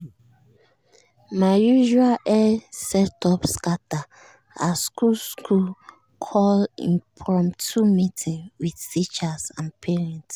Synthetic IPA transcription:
majuʒualɛsɛtɔpskata | askulskʰul | kʰɔlĩfɹɔ̃mtʰumitʰĩŋwið̥tit͡ʃasãnpʰiɹɛ̃nts

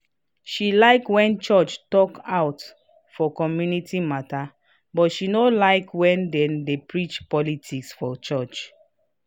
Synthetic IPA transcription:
ʃilaɪkwɛ̃nt͡ʃɔt͡ʃtɔkawt | fɔkɔmjunitʰimata | bɔtʃinolaɪkwɛ̃ndɛ̃ndepɹit͡ʃpɔlitʰiksfɔt͡ʃɔt͡ʃ

